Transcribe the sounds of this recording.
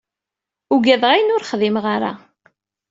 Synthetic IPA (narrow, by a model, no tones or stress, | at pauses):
uɡæðʁajnʊɾχðimʁaɾa̰